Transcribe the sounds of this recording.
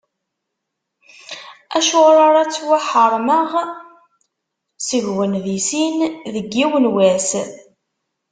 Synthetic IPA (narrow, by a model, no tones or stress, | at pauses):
æʃoʁɾɑɾˤæt͡sːwaħəɾˤməʁ | siʝwənðisinðəɡːiwənwæs